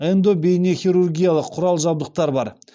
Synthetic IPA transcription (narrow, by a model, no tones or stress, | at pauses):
ɛnd̪obejneχʲiɾurɡʲijalˠəqʰːʊɾɑlˠʒɑb̚d̪əq̚t̪ɑɾbɑɾ